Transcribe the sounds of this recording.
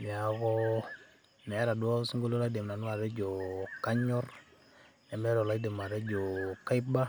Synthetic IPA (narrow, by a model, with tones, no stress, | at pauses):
mi˨a˨kɔ˦ | mɛ˨˦ɾa˨dwɔ˦sŋɡo˦lo˦la˦de˨m˨na˨n˦a˨ɾɛ˦d͡ʒɔ˨ka˦ɲɔ˦r | nɛ˨mɛ˦ɾɔ˨la˨˦i˦de˨ma˨ɾe˦d͡ʒɔ˨ka˦ba˦